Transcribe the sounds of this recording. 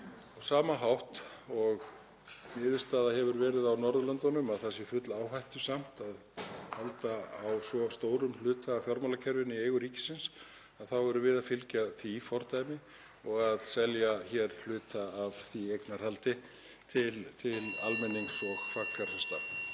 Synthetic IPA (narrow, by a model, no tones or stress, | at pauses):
ɔsaːmaɦawht̪ɔɣ | mɪːðʏ̥st̪aːðaɦɛvʏɾvɛːɾɪðawnɔɾðʏlœnt̪anʏmaðθɛsɪfʏt̪laawɦajht̪ʏ̥sam̥t̪að | halt̪aawsvɔst̪oːwɾʏml̥ʏːt̪aːvfjɔɾmalacʰɛɾvɪniejɣʏɾiːcɪ̥sɪns | aðθawɛɾʏvɪðaðfɪlcaθifɔɾt̪ajmɪ | ɔɣaðsɛljaçɛɾ̥l̥ʏːt̪aːvθiejknaɾ̥halt̪ɪ | t̪ʰɪlt̪ʰɪla̰lmɛnːiŋsɔɣfakfjaɾ̥θɛst̪a̰